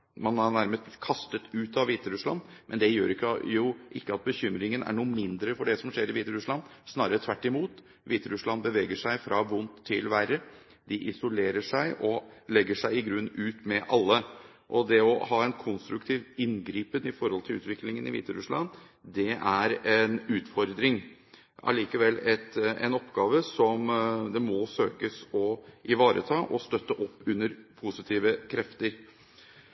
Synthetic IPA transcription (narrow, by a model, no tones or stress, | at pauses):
mɑnænæɾməst̪kʰɑst̪ət̪ʉːt̪ɑʋiːt̪əɾʉslɑ̰nmʔɛnd̪ɛjøːɾɪkːəjʊʔɪkːəɑt̪̚bəçʏmɾɪŋənæ̰ɳuːəmɪnd̪ɾəfɔɖɛsɔmʂeːɾɪʋiːt̪əɾʉslɑnsnɑːɾət̪ʰʋæʈːɪmuːt̪ | ʋiːt̪əɾʉslɑnbəʋeːɡəʂæɪfɾʔɑʋʊnt̪ʰːɪlʋæɾə | d̪ɪʔɪsʊleːɾəʂæɪʔɔlɛɡːəʂæɪɪɡɾʉnːʉːt̪mɛʔɑlːə | ʔɔd̪ɛɔhɑːɛnkʰɔnst̪ɾʉkt̪ʰiːʋɪnɡɾiːpənɪfɔɾhɔlt̪ʰɪlʉːt̪ʋɪklɪŋənɪ̰ʋḭːt̪əɾʉslɑ̰n | d̪ɛæɾɛnʉːt̪fɔɾd̪ɾɪŋ | ɑ̰liːkəʋɛlːɛt̪ɛ̰nɔpːɡɑːʋəsɔmd̪ɛmɔsøːkəsɔʔɪʋɑːɾʔə̰t̪ʰɑːʔɔst̪œt̪ːəʔɔpːʉnːəɾpʰʊsɪt̪ʰiːʋəkʰɾɛft̪əɾ